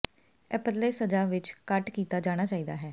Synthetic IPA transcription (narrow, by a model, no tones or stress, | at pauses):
ɛpəd̪leːsəd͡ʒaːʋɪt͡ʃkəʈkiːt̪aːd͡ʒaːɽ̃aːt͡ʃaːiːd̪aːɦɛː